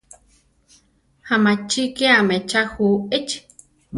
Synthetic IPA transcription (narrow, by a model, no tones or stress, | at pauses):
hamat͡ʃikeamet͡ʃahuet͡ʃ